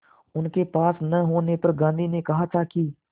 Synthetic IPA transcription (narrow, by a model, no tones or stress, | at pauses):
ʊnkepaːsnəɦoːnepɐɾɡãːnd̪ʱiːnekɐɦat̪ʰaki